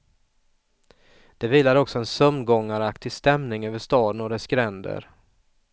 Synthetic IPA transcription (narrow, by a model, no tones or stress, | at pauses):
d̪̥ɛviːlaɾɔksɔɛnsɵmnɡɔŋːaɾakt̪ʰɪst̪ɛmnɪŋøːvəʂt̪ɑːd̪ənɔɾɛskɾɛnd̪ə̰ɾ